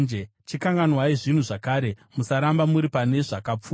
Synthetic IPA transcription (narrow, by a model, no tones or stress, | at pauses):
nd͡ʒe | t͡ʃikaŋɡanwaiʐin̤uʐakaːɾe̞musaɾambamuɾipane̞ʐakap͡fu